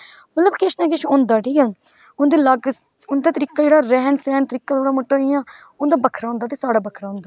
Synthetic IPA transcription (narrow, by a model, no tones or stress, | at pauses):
mət̪ləbkɪʃnãːk̬ɪʃʊ̃nd̪aːʈiːãːn | ʊnd̪eːləɡ | ʊnd̪aːt̪əɾiːkaːd͡ʒeːɽaːɾɛːnsɛːnt̪əɾiːkːaːt̪oːɽaːməʈːaːɪjãː | ʊnd̪aːbəkʰɾaːʊ̃nd̪aːt̪eːsaːɽaːbəkʰɾaːʊ̃ːnd̪aː